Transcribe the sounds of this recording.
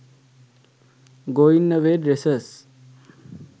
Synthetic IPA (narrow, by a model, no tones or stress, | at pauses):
ɡoinːəʋeɖɾesəs